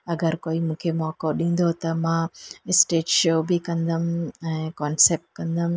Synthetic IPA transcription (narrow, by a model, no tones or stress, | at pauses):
ɐɡɐɾkojimukʰjɐmoɐkoːɾɖiŋd̪oːt̪ɐmasʈeːʈʃoːbikɐnd̪ɐmkaːnsep̚ʈ̚kɐnd̪ɐm